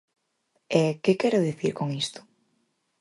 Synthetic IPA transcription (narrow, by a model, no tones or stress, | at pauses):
ɛkɪkɛɾʊðiθiɾkoŋist̪ʊ̥